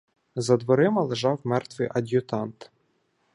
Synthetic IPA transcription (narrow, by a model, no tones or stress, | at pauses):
zɐd̪ʋɔɾɪmɐlˠeʒɑwmɛrt̪ʋɨjʔɐd̪ʲjʊt̪ɑnt̪